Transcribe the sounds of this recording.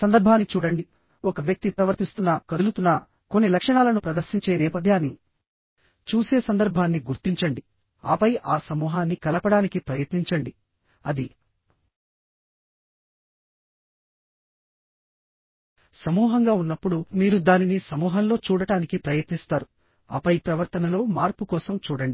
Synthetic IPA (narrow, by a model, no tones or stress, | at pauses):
sɐnd̪ɐɾbʱaːnːit͡ʃuːɽɐɳɖi | ɔkɐʋjɐk̚t̪ipɾɐʋɐɾt̪ist̪unːɐkɐd̪ulut̪unːɐ | ko̞nːilɐkʂɐɳaːlɐnupɾɐd̪ɐɾʃiɲt͡ʃeːnɛːpɐd̪ʱjaːni | t͡ʃuːse̞ːsɐnd̪ɐɾbʱaːnːiɡuɾt̪iɲt͡ʃɐɳɖi | a̰ːpɐjʔaːsɐmuːɦaːnːikɐlɐpɐɽaːnikipɾɐjɐt̪niɲt͡ʃɐɳɖi | ɐd̪i | sɐmuːɦɐŋɡaːunːɐpːuɽumiːɾud̪aːninisɐmuːɦɐnlo̞ːt͡ʃuːɽɐɽaːnikipɾɐjɐt̪nist̪aːɾu | a̰ːpɐjpɾɐʋɐɾt̪ɐnɐlo̞ːmaːɾpukɔːsɐmt͡ʃuːɽɐɳɖi